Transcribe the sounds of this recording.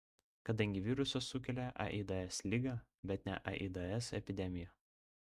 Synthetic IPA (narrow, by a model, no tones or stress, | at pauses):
kɐd̪ɐŋʲɡʲɪʋʲiːɾʊsɐsʊkʲɛlʲɛʔɐ̰ʔid̪ɐɛslʲɪːɡɐ | bʲɛt̪nʲɛ̰ʔɐ̰ʔḭd̪ɐɛsɛpʲɪd̪ʲɛmʲɪjɛ